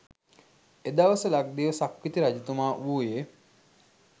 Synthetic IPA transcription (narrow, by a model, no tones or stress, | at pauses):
ed̪aʋɐsəlaɡ̚d̪eːʋəsakʋit̪iɾad͡ʒut̪umaːʔuːje